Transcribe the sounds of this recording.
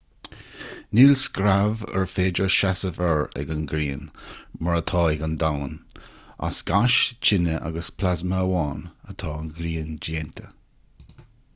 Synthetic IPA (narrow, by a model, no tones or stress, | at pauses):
niːlskɾavɛ̰ɹfeːd͡ʒəʃasəvɛɹɛ̰ɡənɡɾiːnməɹət̪ʰɑːɛɡənd̪awna̰sɡ̥aʃt͡ʃʰɪnəʔa̰ɡəspʰlazməːwɑːnət̪ʰɑːnɡɾiːnd͡ʒeːnt̪ʰə̥